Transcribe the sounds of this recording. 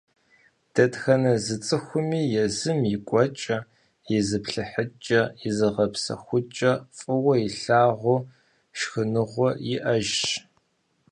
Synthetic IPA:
d̥ɐdxɐnɐzɨt͡sʼɨxʷʊmiːjɛzɨmjɪkʷʼɔt͡ʃʼɐ | jɛzɨpɬɨħət͡ʃʼɐjɛzɨʁɐpsɐ̰xʷʊt͡ʃʼɐfʼɨwɐjɪɬaːʁʷʊ | ʃxɨnɨʁʷɔjɪʔɐʒ

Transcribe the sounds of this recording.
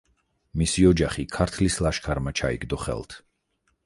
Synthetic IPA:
misiɔd͡ʒaχikʰaɾt̪ʰlislˠaʃkʰaɾmat͡ʃʰaḭɡd̪ɔχɛ̰lˠt̪ʰ

